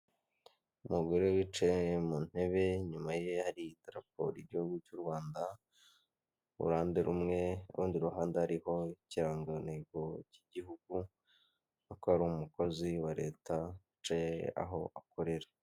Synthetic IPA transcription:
umuɡo̞ɾewit͡ʃejemuːn̥he̞βe̞ɲumaje̞haɾidɾap̚o̰ɾiɟihuɡucuɾwaːnda | ṵɾaːndeɾumŋe̞ṵɾʔuːndiɾuɦaːndehaɾiho̞ciɾaːŋɡaneɡociɟihuɡu | nukohaɾuumuko̞ziwaɾe̞̰ːtawit͡ʃejḛa̰ɦo̞̰ako̞ɾe̞ɾḁ

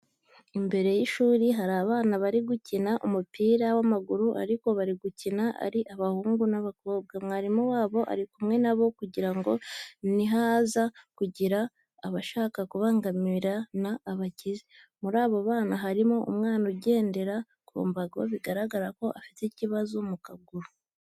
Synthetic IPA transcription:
imbe̞ɾe̞jiʃuːɾiɦaɾaːβaːnaβaɾiɡucinaʔumupiːɾawamaɡuɾuʔa̰ɾiko̞βaɾiɡucinaʔa̰ɾiʔaβahuːŋɡunaβakoːb̚ɡamŋaɾimuwaːβo̞ʔa̰ɾikumŋe̞naβo̞kuɟiɾaŋɡo̞niɦazakuɟiɾaː | βaʃaːkakuβaːŋɡamiɾanaːβacizi | muɾaːβoβaːnaɦaɾimoʔṵmŋaːnoɟe̞ːnde̞ɾa | ko̰ːmbaɡoβiɡaɾaɡaɾako̞ʔafi̥ticiβazomukaɡuɾu

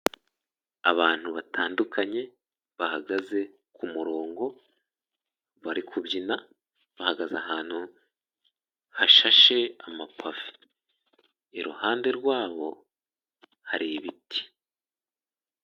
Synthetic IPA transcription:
a̰βaːn̥huβatʰaːndukʰaɲe̞ | βahaɡaze̞ | kʰumuɾo̞ːŋɡo̞ | βaɾikʰubɟina | βahaɡazaɦaːn̥hu | haʃaʃe̞amapʰavi̥ | ɾuhaːnde̞ɾɡwaːβo̞ | haɾiβitʰi̥

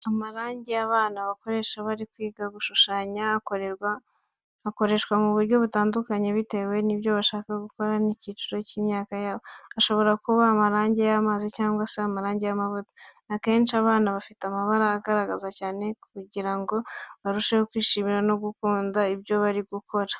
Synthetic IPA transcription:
amaɾaːɲɟeaβaːnaβako̞ɾe̞ːʃaβaɾikwiːɡaɡuʃuʃaːɲakoɾeɾaː | ko̞ɾe̞ʃkwamuβuɾɟo̞βutaːndukaɲe̞βite̞ːwe̞niβjo̞βaʃaːkaɡuko̞ɾaniciːt͡ʃuɾo̞ciːmɲaːkajaːβoaʃo̞βo̞ɾakuβaːmaɾaːɲɟe̞jamaːzicaːŋɡwaseamaɾaːɲɟe̞jamaβuto̥ | ake̞ːnt͡ʃiaβaːnaβafitamaβaɾaːɡaɾaɡazacaːne̞kuɟiɾaŋɡo̞βaɾuʃehokwiːʃiːmiɾano̞ɡukuːndaibjo̞βaɾiɡukʰo̞ɾḁ

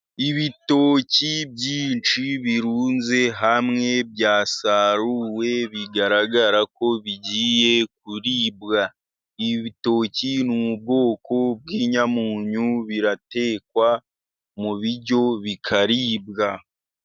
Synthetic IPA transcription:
iβito̞ːcibɟiːnt͡ʃiβiɾuːnze̞ɦamŋe̞bjaːsaɾuwe̞βiɡaɾaɡaɾako̞βiɟiːje̞k̚uɾiːbɡa | iβito̞ːcinuub̚ɡo̞ːko̞b̚ɡiːɲamuːɲuβiɾate̞ːkwa | muβiɟo̞βikʰaɾiːbɡa

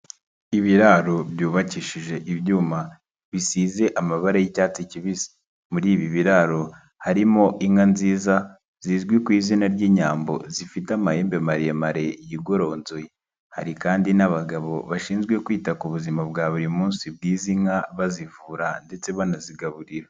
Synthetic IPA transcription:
iβiɾaɾo̞bjuːβaciʃiʒe̞ʔiβjuːma | βisiːze̞ʔamaβaɾajicaːt͡siciβizi̥ | muɾiːβiβiɾaɾo̞ | haɾimo̞ʔiŋanziːza | z̥iːzɡwikwiːzinaɾɟiɲaːmbo̞̰zifitamaje̞ːmbemaɾijemaɾe̞jiɡo̞ɾo̞ːnzoje | ha̰ɾikaːndinaβaɡaβo̞̰βaʃiːnzɡwe̞kwiːtakuβuzimab̚ɡaːβuɾimuːnsib̚ɡiːziŋaβazivuːɾande̞t͡se̞βanaziɡaβuɾiɾa

